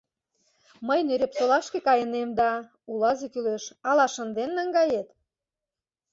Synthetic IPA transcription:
məjnøɾepsolɑʃkĕkɑjə̆nemd̪ɑ | ulɑzekyleʃɑlɑʃə̆nd̪enːɑŋɡɑjet̪

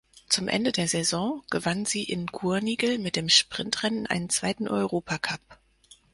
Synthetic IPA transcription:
t͡sʊmʔɛ̰ndədeːɐzɛzɔ̃ːɡ̥əvanziːʔɪnɡuːɐniːɡl̩mɪt̚d̥eːmʃpʁ̥ɪntʁ̥ɛnənʔa̰ɪnənt͡sv̥aɪtn̩ʔɔ̰ʏʁoːpʰakʰap̚

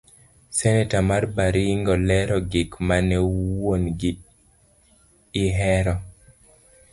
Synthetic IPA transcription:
sɛnɛtamarbaɾiŋɡɔlɛɾɔɡɪkmanɛwonɡi | ɪɦɛɾɔ

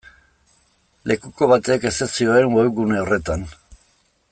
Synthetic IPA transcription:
lʔe̞kuko̞βat̪eke̞sesioɾeŋwewɣune̞o̞re̞t̪an

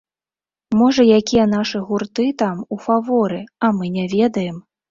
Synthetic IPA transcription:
mɔʐɐjakʲijɛn̪aʂɨɣurt̪ɨt̪amufavɔɾɨɐmɨnʲɛvʲɛd̪ɐjɛm

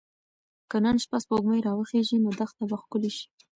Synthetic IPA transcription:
kənənʃpaspəʊɡməjɾɑwəxeʒinod̪axt̪abaxkʊleʃi̥

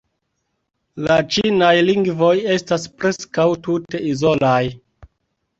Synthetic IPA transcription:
lat͡ʃinajliŋɡvo̞je̞staspɾe̞skawtute̞izo̞laj

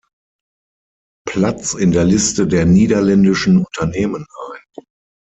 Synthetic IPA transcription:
pʰlat͡sɪndeːɐlɪstədeːɐniːdɐlɛndɪʃn̩ʊntʰɐneːmənʔaɪn

